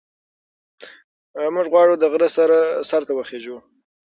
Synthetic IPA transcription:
mʊʒɣwɑɽud̪əɣɾəsaɾasaɾt̪awəxeʒu

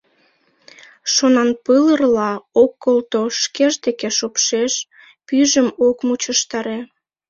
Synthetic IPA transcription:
ʃonɑnpələrlɑokːolt̪oʃkeʒd̪ekeʃopʃeʃ | pyʒəmokmut͡ɕəʃt̪ɑɾe

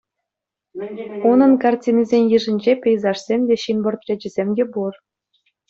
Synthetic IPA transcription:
unɤ̆nkɑrtʲinʲɘzʲenʲjɯ̆ʐɘ̆nʲd͡ʑepʲĕjzɑʂsʲemʲdʲeɕinbɤ̆rt̪rʲĕd͡ʑɘ̆zʲemʲdʲebur

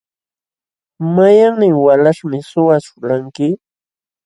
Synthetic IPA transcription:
majaŋnɪŋwalaʂmɪsʊwat͡ʃʊ̥ɾaŋkɪ

